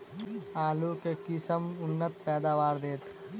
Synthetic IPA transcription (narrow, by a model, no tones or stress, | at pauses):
aːlukekɪsəmʊnːət̪̚pɛːd̪aːʋaːɾd̪eːt̪